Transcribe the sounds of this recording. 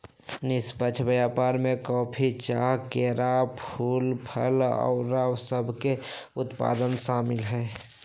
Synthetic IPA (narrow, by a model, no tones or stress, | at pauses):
nɪspət͡ʃʰbəjaːpaːɾmẽkɔːpʰit͡ʃaːɦkeɾapʰuːlpʰəlɔ̰ʊɾaːwsəbʱke | ʊt̪pa̰ːd̪ənʃaːmɪlɦɛː